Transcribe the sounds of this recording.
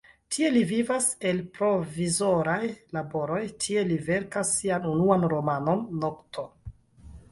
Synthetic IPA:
tʰie̞livivase̞lpɾo̞vizo̞ɾajlabo̞ɾo̞jtʰie̞live̞ɾkasːianunuanɾo̞mano̞nːo̞ktʰo̞

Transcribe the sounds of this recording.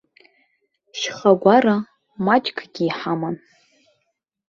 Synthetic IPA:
ʃχaɡʷara | mat͡ʃʼkʰʼɡʲiːħaman

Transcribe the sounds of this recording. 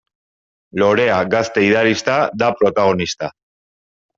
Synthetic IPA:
lo̞ɾe̞aɡast̪e̞iðaɾist̪ad̪apɾo̞t̪aɣ̞o̞nist̪a

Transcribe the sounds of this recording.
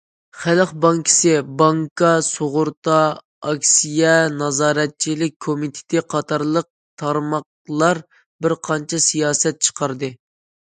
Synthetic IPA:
χælχbɑŋkʲʰɪ̥sɪbɑŋkɑsoʁʊɾt̪ɑ | ɑkʲsijɛnɑzɑːɾɛt̪̚t͡ʃʰilɪk̚ʲkʰomit̪ʰɪ̥t̪ɪqʰɑt̪ʰɑɾlˠəq̚ | t̪ʰɑɾmɑq̚ | lˠɑɾ | bɪɾqʰɑnt͡ʃʰɛsijɑːsɛt̪̚t͡ʃʰə̥qʰɑɾd̪ɨ

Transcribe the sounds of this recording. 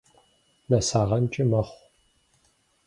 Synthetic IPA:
nɐsaːʁɐnt͡ʃʼɪmɐχʷ

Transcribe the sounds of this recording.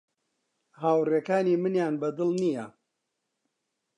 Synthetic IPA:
haːwreːkaːniːmɨnjaːnbɐd̪ɨlˠnijɐ

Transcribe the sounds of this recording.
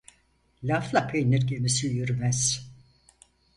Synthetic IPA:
lʲaflˠapʰejniɾɡʲemisijyɾmɛz̥

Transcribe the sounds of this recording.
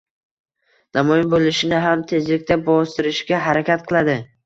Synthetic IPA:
namɒjɪnbolˠɪʃɪnɪɦamt̪ʰe̞zlɪk̚ʲt̪ʰabɒst̪ɪɾɪʃɡʲaɦaɾakʲat̪̚qʰɨlˠad̪ɪ

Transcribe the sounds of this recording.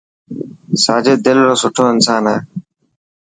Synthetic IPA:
saːd͡ʒeːd̪ɪlɾoːsʊʈʰoːɪnsaːnɦeː

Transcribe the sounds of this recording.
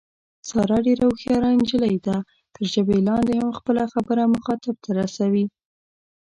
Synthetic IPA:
sɑɾɑɖeɾawxjɑɾand͡ʒəlajd̪a | t̪əɾʒəbelɑnd̪ehamxpəlaxabəɾaməxɑt̪ɪb̚t̪ʰaɾasawi

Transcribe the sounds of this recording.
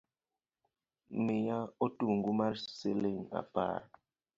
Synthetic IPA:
mejaotuŋɡumaɾseleŋa̰pa̰ɾ

